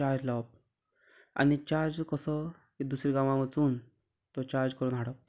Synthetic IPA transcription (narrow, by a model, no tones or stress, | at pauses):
aɾd͡zlap̚ | a̰nit͡ɕaɾd͡zkəsə | id̪usɾiɡãʋãʋət͡suːn | t̪ɔt͡ɕaɾd͡zkəɾuːnɦaɽəp̚